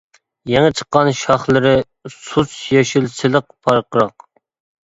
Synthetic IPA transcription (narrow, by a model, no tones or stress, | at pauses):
jɛŋɪt͡ʃʰə̥qːɑnʃɑχlˠɨɾɪ | susjɑʃilsɪlˠəq̚pʰɑɾqəɾɑq